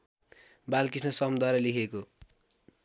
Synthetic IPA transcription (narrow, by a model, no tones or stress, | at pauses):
balkisnʌsʌmd̪ʌɾʌlikʰeko